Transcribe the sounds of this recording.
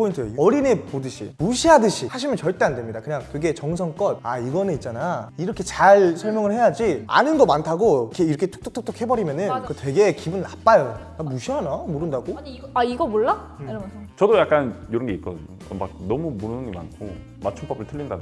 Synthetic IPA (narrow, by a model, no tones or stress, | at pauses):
pʰointʰɯeʌɾinepodɯɕʰḭmuɕʰiɦadɯɕʰihaɕ̬ʰimjʌnt͡ɕʌɭt͈eandwemɲidakɯɲaŋkɯɡe̞t͡ɕʌŋs̬ʰʌŋk͈ʌt̚aiɡʌnɯnit̚t͡ɕ͈anaiɾʌkʰe̞t͡ɕaɭsʰʌɭmjʌŋɯɭhe̞jad͡ʑia̰nɯnɡʌmantʰaɡokeiɾʌkʰetʰu̥k̚t͈ɯkt͈ʰɯkt͈ʰok̚he̞bʌɾimjʌnɯnkɯtwe̞ɡe̞kibɯnnːap͈ajonamuɕʰiɦanamoɾɯndaɡoiɡʌmoɭːa | t͡ɕʌdojak͈anjoɾʌnɡeit̚k͈ʌdɯɲoʌ̰ma̰k̚nʌmumunɯɯŋima̰nkʰo | mat͡ɕʰumpʌbɯɭtʰɯʎːinda̰n